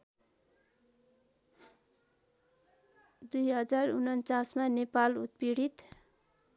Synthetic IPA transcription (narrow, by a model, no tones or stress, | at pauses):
d̪ujɦʌd͡zarunʌnt͡sasmanepalut̪̚piɽit̪